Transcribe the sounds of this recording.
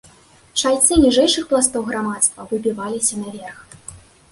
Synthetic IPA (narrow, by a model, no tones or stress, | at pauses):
ʂajʲt̪sɨnʲiʐɛjʂɨxplˠast̪ɔwɣɾamat̪st̪vɐvɨbʲivalʲisʲɐnɐvʲɛrx